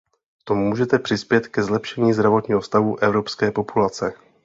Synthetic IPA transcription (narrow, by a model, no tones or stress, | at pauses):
kt̪ommuːʒɛt̪ɛpr̥ɪspjɛt̪kɛzlɛpʃɛɲiːzd̪ɾavo̞t̪ɲiːɦofst̪aɦuʔɛvɾo̞pskɛːpo̞pulat͡sɛ